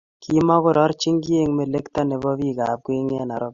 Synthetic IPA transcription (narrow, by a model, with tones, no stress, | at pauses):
kʰi˦mɔ˦kʊ˦ɾɔ˦ɾt͡ʃi˦ŋɡje˦ŋme˨le˦ktɔ˦ne˨bɔ˦βi˦˨ka˨p̚kwe˦ŋe˦na˨ɾɔ˦p̚